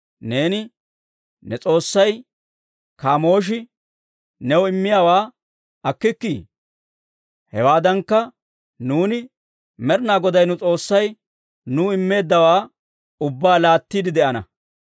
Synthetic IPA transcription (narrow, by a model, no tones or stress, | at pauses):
ne̞ːnɪ | nɛt͡sʼo̞ːsːɐj | kaːmo̞ːʃ̬ɪ | nɛwɔɪmːɪjaːwaː | ɐkːɪkːiː | hɛwaːd̪ɐŋkːɐ | nuːnɪ | mɛɾnaːɡɔd̪ɐjnʊt͡sʼo̞ːsːɐj | nuɪmːe̞ːd̪ːɐwaː | ʊbːaːlaːt̪ːiːd̪ɪd̪ɛʔɐnɐ̰